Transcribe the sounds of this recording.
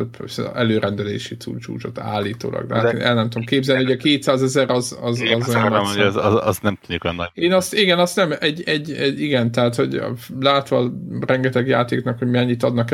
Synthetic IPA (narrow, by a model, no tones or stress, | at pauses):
pøsɛløːɾɛnd̪ɛlḛːʃisṵːt͡ʃṵːt͡ʃo̞t̪a̰ːlːiːt̪o̰ːlʔɒ̰ɡd̪ɛɦat̪enʔɛlnɛmt̪uomkeːbzɛlnihoɟɒkeːt̪saːzɛzɛɾɒzɒzɒzojɔnozzɒsnɛmt̪ud̪ukjnːeːnɒst̪iɡɛnɒst̪nɛmɛɟɛɟːɛiɡɛnt̪ɛɦaːt̪ho̞ɟ̰laːt̪ʋɒːrɛŋɡɛt̪ɛɡjaːt̪eːknɒkho̞ɟmiɛɲːit̪ɒd̪nɒk